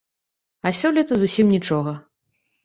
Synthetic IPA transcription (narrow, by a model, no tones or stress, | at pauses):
ɐsʲɔlʲit̪ɐzusʲimnʲit͡ʂɔɣɐ